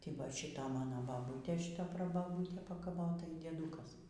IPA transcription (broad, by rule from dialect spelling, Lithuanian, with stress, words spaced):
ˈtɐɪ ˈʋɐ ˈʃʲiːtɐ ˈmɑːnoː ˈbɑːbuːtʲeː ˈʃʲiːtɐ prɐbɐˈbuːtʲeː pɐkɐˈʋoːtɐ iː dʲiɛˈduːkɐs